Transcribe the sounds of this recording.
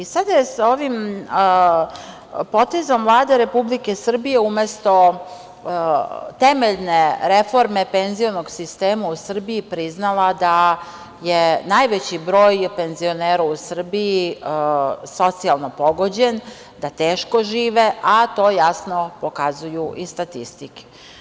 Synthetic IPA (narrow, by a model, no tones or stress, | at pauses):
isad̪jesoʋim | po̞t̪e̞zomvlˠaːd̪e̞ɾe̞publikesr̩bije̞ume̞st̪o̞ | t̪eme̞ʎne̞ɾe̞fo̞ɾme̞penzio̞noɡsist̪eːmausr̩biipɾiznalˠad̪a | jenajʋet͡ɕibɾo̞ːjpe̞nzio̞neːɾausr̩bii | so̞t̪sialˠno̞po̞ɡo̞d͡ʑe̞n | d̪at̪eːʃko̞ʒiːʋe̞ʔat̪o̞ːjasno̞po̞kazujuʔist̪at̪ist̪ike̥